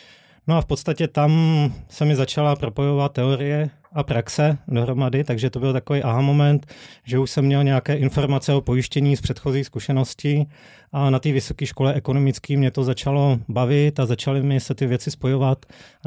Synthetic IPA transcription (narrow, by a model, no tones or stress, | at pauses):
noafpost̪acɛt̪amsɛmɪzat͡ʃalapɾo̞po̞jo̞vat̪̚tːɛo̞ɾɪjɛ | ʔapɾaksɛdoɦɾo̞madɪt̪aɡʒɛt̪obɪlt̪akoviːʔaɦamomɛnt̪ʒɛuʃsɛmːɲɛlɲɛakɛːʔɪnfo̞ɾmat͡sɛo̞po̞jɪʃcɛɲiːspr̥ɛt̪xo̞ziːskuʃɛno̞scɪ | ʔanat̪iːvɪso̞kiːʃko̞lɛʔɛko̞no̞mɪt͡skiːmɲɛt̪o̞zat͡ʃalo̞bavɪt̪azat͡ʃalɪmɪsɛt̪ɪvjɛt͡sɪspo̞jo̞vat̪